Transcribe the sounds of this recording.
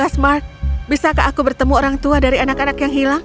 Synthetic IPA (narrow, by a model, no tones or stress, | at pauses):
asmark̚bisakaʔːkubərt̪əmuoɾaŋt̪uadaɾianakanakjaŋɦilaŋ